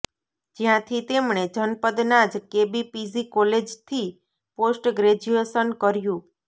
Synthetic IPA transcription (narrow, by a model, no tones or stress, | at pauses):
d͡ʒijãt̪ʰit̪emɳed͡ʒʱənpəd̪nad͡ʒkebipisikɔled͡ʒt̪ʰi | posʈɡɾed͡ʒuesənkəɾjũ